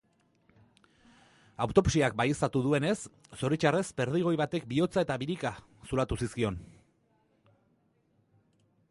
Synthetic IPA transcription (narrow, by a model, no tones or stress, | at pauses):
awt̪o̞psiak̚bajest̪at̪uð̞ue̞ne̞sː | o̞ɾit͡ʃare̞sbe̞ɾð̞iɣ̞o̞jβat̪e̞k̚bio̞t͡sae̞t̪aβiɾika | sulat̪usiskio̞n